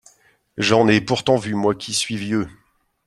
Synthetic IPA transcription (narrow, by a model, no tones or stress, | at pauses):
ʒɑ̃nɛpuʁt̪ɑ̃vymwakʲʰisɥivjø